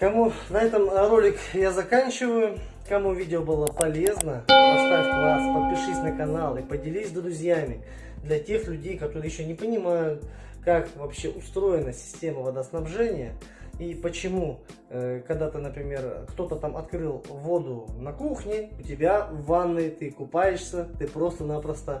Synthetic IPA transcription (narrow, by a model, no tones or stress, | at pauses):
kɐmunɐɛt̪əmrolʲɪkjazɐkanʲt͡ɕɪvəjʊ | kɐmuvʲidʲɪobɨlˠəpɐlʲe̞znəɐst̪atʲvaspəlˠpʲɪʂɨsʲnəkɐnalˠɨpədʲɪlʲisʲd̪ɾʊzʲjamʲɪ | d̪lʲɐtʲe̞xlʲʉdʲejkɐt̪o̞ɾɨjɪɕːonʲɪpənʲɪmajʊt̪ | kakvɐpɕːe̞ʔʊst̪ɾo̞jɪnəsʲɪ̥sʲtʲe̞məvəd̪əsnɐbʐɛnʲɪjəipət͡ɕɪmu | kɐɡd̪at̪ɨnəpɾʲɪmʲe̞rkt̪o̞t̪ət̪amʔɐt̪kɾɨlˠvo̞d̪ʊnɐkuxnʲɪʊtʲɪbʲavanːɨt̪ɨkʊpajɪʂsʲət̪ɨpɾo̞st̪ənapɾəst̪ə